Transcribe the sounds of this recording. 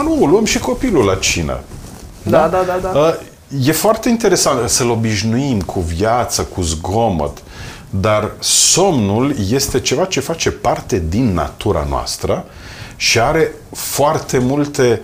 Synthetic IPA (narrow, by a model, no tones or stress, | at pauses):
nuolwəmʃiko̞pilulat͡ʃina̰d̪ad̪aaaə | je̞foart̪eint̪e̞ɾe̞sant̪səlo̞biʒnuimkʰuvjat̪səkuzɡo̞mə̰t̪ | d̪arso̞mnulje̞st̪e̞t͡ʃe̞vat͡ʃe̞fat͡ʃe̞part̪e̞d̪inːa̰t̪uɾa̰no̰wa̰st̪ɾə | ʃiaɾe̞ | foart̪e̞mult̪e̞